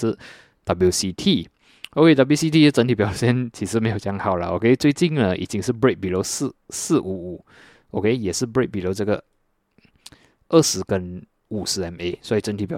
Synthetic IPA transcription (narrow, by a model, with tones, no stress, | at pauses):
d̪̥ɑ˨˩bu˧˩si˧˥t̪ʰi˥˩ | o˧kʰe˥d̪ɑ˧˩blju˥si˥t̪ʰi˥˩˥ʈ͡ʂə˧˥nt̪ʰi˨˩pjɑ˨˩ʊɕjɛ˥˧˨nt͡ɕʰi˧˥ʂɻ̩˧˥˦me˧˥ɪjo˨˩jŋxɑ˨˩ʊlə̰˩ʔo̰˨˧˦kʰe˥ɪt͡swe˥˧t͡ɕi˥˨nlə˩ʔḭ˨˩t͡ɕi˥ŋʂ̬̩˥˨bɹe˥˩k̚bi˨lo˧˥ʊs̩˥˩s̩˥˩ʔu˧˥˩u˨˩˦ | ʔo˧kʰe˥˧ɪjɛ˨˩ʂɻ̩˥˩bɹe˥˩k̚bi˨lo˧˥ʊʈ͡ʂə˥˩ɡə˩ | ʔə˥˩ʂɻ̩˧˥˦kə˦n | u˨˩ʂɻ̩˧˥ɛ˧ne˧˥ɪswɔ˧˥i˨˩ʈ͡ʂə˧˥nt̪ʰi˨˩pjɑ˨